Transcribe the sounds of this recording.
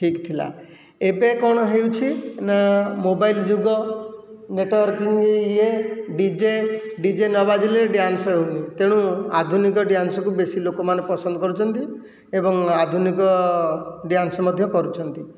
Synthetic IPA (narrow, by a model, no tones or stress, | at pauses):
ʈʰikt̪ʰila̰ | ebekɔɽ̃ɔɦewt͡ʃʰinamobajld͡ʒuɡɔ | neʈɔwɔɾkiŋɡeɖid͡ʒeɖid͡ʒenɔbad͡ʒileɖjansɔɦewnit̪eɽ̃ũa̰d̪ʱunikɔɖjansɔkubesilokɔmanepɔsɔnd̪ʱɔkɔɾut͡ʃʰɔnt̪i | ebɔŋad̪ʱunikɔ | ɖjansɔmɔd̪ʱjɔkɔɾut͡ʃʰɔnt̪i